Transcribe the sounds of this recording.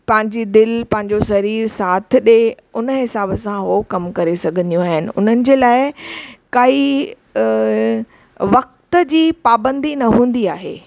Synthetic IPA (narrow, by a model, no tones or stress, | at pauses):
pɐ̃ɦɪ̃ɲd͡ʑid̪ɪlpɐ̃ɦɪ̃ɲ̆d͡ʑosɐɾiːɾsaːt̪ʰɪ̆ɗe | ʊnəɦɪsaːbəsãɦokɐmkɐɾesɐɡʱə̃nd̪ijũaːɦɪnɪ̆ʊ̰n̤ənɪ̆d͡ʑeːlaːɪkɐi | ʋɐk̚t̪əd͡ʑiːpaːbə̃nd̪inɐɦũːnd̪iaːɦḛː